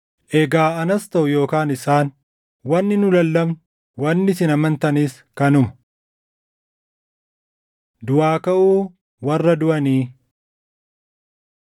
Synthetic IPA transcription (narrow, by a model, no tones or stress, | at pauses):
ʔɛɡaːɐnɐst̪ɐʔʊjo̞ːkaːnɪsaːn | wɐnːɪnʊlɐlːɐmn | wɐnːɪsɪnɐmɐnt̪ɐniːs | kɐnʊmɐ̥ | d̪ʊʔaːkɐʔuː | wɐrːɐd̪ʊʔɐniː